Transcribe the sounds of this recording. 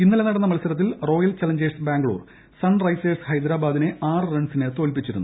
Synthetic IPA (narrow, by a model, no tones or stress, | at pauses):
inːɐle̞nɐɽɐnːɐmɐlɐsɐɾɐt̪̬ːilro̞ːjɐlt͡ɕɐlɐɲd͡ʑeːsbaːŋɡɭṵːr | sɐnrɐjseːshɐjd̪ɾaːbaːd̪ine̞aːrɨrɐɳsinet̪o̞ːlpit͡ɕːiɾunːu